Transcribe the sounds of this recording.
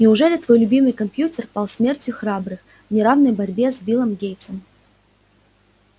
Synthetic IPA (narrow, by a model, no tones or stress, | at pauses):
nʲɪʊʐɛlʲɪt̪vo̞jlʲʊbʲimɨjkɐmpʲjutʲɪrpalˠsmʲertʲjʊxrabɾɨx | vnʲɪɾavnəjbɐɾʲbʲezbʲilˠəmɡʲejt̪səm